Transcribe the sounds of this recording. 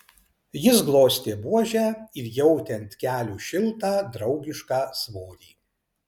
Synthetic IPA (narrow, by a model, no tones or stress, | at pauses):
jɪsɡlˠoːsʲt̪ʲeːbuɔʒʲæːɪɾjɛʊt̪ʲɛnt̪ʲkʲæːlʲuːʃʲɪlˠt̪ɑːd̪ɾɒʊɡʲɪʃkɑːsʋoːɾʲiː